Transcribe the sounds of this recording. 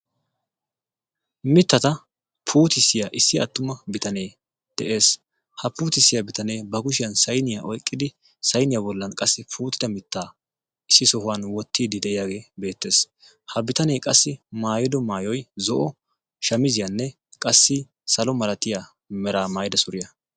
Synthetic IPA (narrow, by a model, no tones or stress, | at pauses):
mɪt̪ːɐt̪ɐ | pʰuːt̪ɪsːɪjaʔɪsːɪɐt̪ːʊmɐbɪt̪ɐneː | d̪̥ɛʔe̞ːs | hɐpuːt̪ɪsːɪjɐbɪt̪ɐneːbɐɡʊʃɪjɐnsɐjnɪjaːʔɔjkʼːɪd̪ɪ | sɐjnɪjabɔlːɐnkʼɐsːɪpʰuːt̪ɪd̪ɐmɪt̪ːaː | ɪsːɪsɔhʊwɐnwɔt̪ʰːiːd̪ɪd̪ɛʔɪjaːɡeːbe̞ːt̪ːe̞ːs | hɐbɪt̪ɐnejkʼɐsːɪmaːjɔd̪ɔmaːjɔjzɔʔɔ | ʃɐmɪzɪjɐnːɛ | kʼɐsːɪ | sɐlɔmɐlɐt̪ɪja | mɛɾaːmaːjd̪ɐsʊɾɪjɐ